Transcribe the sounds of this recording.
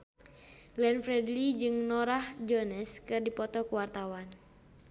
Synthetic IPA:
lɛnfɾɛdlid͡ʒɨŋnɔɾahd͡ʒɔnɛskɨrdipɔt̪ɔkuwart̪awan

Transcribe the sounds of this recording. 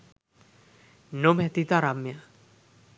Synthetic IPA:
nomɛt̪it̪aɾamja

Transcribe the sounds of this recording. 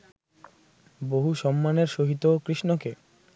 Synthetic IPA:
boɦuʃɔmːaneɾʃoɦit̪okɾiʃnoke

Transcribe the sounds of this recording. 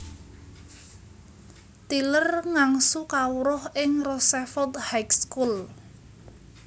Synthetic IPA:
t̪ilərŋaŋsukawuɾɔhɪŋrɔsɛfɔt̪̚hajkskul

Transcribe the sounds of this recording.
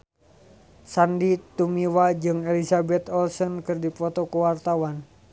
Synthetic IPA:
sandit̪umiwad͡ʒɨŋɛlisabɛt̪ɔlsɔnkɨrdipɔt̪ɔkuwart̪awan

